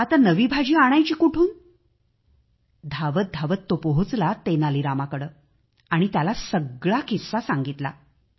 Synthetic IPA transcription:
at̪anəʋiːbʱad͡ʑiːaɽ̃ajt͡ɕiːkuʈʰuːn | d̪ʱaʋət̪̚d̪ʱaʋət̪ːopəɦut͡slat̪enaliːɾamakəɽəː | aɽ̃it̪jalasəɡɭakʰisːasaŋɡit̪la̰

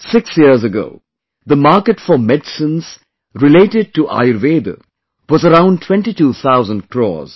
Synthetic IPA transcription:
sɪksjiəɾzəɡo̰ʊ | d̪əmaːɾkəʈfɔmɛɖsə̃nz̥ | ɾɪleːʈɪɖ̚ʈuʔa̰ɪɾʋeːd̪ə̰ | wɔzəɾãʊ̃nʈʰw̥ɛ̃nʈiʈuːt̪ʰaʊzə̃nɖkʰɾɔ̰ːz̥

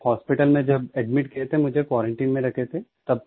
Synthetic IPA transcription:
hɔːspɪʈəlmẽd͡ʒɐbɛɖmɪʈkiet̪ʰemʊd͡ʒʱekwaːɾẽɳʈiːnmẽɾɐkʰet̪ʰet̪ɐb̚

